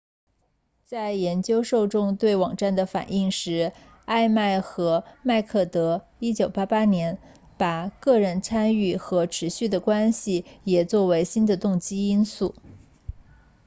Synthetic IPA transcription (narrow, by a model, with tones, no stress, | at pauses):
t͡sa˥˩ɪjɛ˧˥nt͡ɕjo˥ʊʂo˥˧ʊʈ͡ʂʊ˥ŋt̪we˥˩ɪwɑ˨˩ŋʈ͡ʂa˥˩nd̪ə˩fa̰˨˩ni˥˩ŋʂɻ̩˧˥ | a˥˧ɪma˥˩ɪxɤ˧˥ma˥˧ɪkʰɤ˥˩t̪ɤ˧˥i˥t͡ɕjo˨˩ʊpa˥pa˥njɛ˧˥n | pa˨˩kɤ˥˧ɻə˧˥nt͡sʰa˥ny˥˩xɤ˧˥ʈ͡ʂʰɻ̩˧˥ɕy˥˩d̪ə˩kwa˥nɕi˨˩jɛ˨˩t͡swɔ˥˩we˧˥ɪɕi˥nd̪ə˨t̪ʊ˥˩ŋt͡ɕi˥i˥nsu˥˩